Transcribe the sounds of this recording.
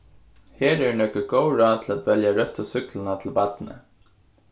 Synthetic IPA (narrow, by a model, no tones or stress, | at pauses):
heːɾɛɹnœkʏɡoːwɾaːt̪ʰɪlæt̪ʋɛljaɹœht̪asʏklɪnat̪ʰɪlpat̪nə̰